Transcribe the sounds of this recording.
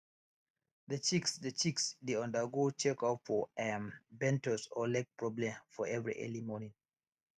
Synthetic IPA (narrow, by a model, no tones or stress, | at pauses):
ðət͡ʃiksdət͡ʃiksdeãndəɡot͡ʃɛkatfɔɛmbɛ̃ntəsɔlɛk̚pɹɔblɛ̃mfɔɛvɹḭʔɛ̰limɔnĩŋ